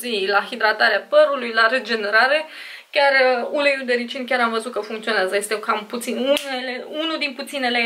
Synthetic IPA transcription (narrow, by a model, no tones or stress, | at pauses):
zilaxid̪ɾat̪aɾeapəɾulujlaɾed͡ʒe̞ne̞ɾaɾe̞ | kʲarəulejud̪e̞ɾit͡ʃinkʲaɾamvəzut̪̚kəfuŋkt̪sioneazəje̞st̪e̞kamput̪sinuneleunud̪input̪sine̞le